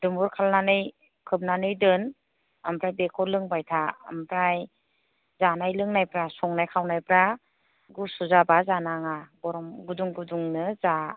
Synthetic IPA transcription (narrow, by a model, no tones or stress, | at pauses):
dɯmbuɾkʰalnanɯj | kʰɯp̚nanɯjdɯn | ampɾajbekʰɔlɯŋbajtʰaa̰mpɾaj | zanajlɯŋnajpɾasɔŋnajkʰawnajpɾa | ɡusuzabazanaŋaɡɔɾɔmɡuduŋɡuduŋnɯza